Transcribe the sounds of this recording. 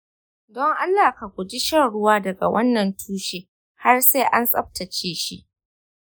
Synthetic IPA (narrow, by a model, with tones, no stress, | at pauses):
dɔ˦ŋʔa˦lːaː˨ka˨kʷʊ˨d͡ʒi˦ʃɐ˦ɽʊ˦waː˦dɐ˨ɡa̰˨wɐ˦nːɐ˨ntʰuː˦ʃeː˦ | ha˦rseː˦ʔa˦nsʼɐ˦ɸ̚tʰɐ˨t͡ʃeː˦ʃi˦ʔ